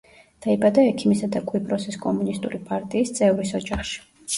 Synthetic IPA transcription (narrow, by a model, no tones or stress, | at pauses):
d̪̥aibad̪aɛkʰimisad̪akʼwipʼɾɔsiskʼɔmunist̪ʼuɾipʼaɾt̪ʼiːst̪sʼɛvɾisɔd͡ʒaχʃi̥